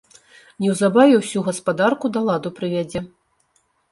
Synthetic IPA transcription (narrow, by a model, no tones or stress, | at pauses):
nʲɛwzabavʲɛwsʲuɣɐspad̪arkud̪ɐlˠad̪upɾɨvʲad͡zʲɛ